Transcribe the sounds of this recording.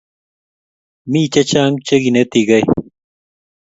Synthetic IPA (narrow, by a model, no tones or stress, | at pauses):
miːt͡ɕɐt͡ɕaːŋɡt͡ɕɐɡinet̪iɡɐj